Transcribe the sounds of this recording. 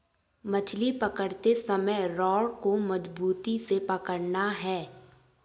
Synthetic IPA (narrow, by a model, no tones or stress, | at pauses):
mɐt͡ʃʰlipɐkəɽt̪esɐməjɾɔːɽkomɐd͡ʒbuːt̪isepɐkəɽnaɦɛː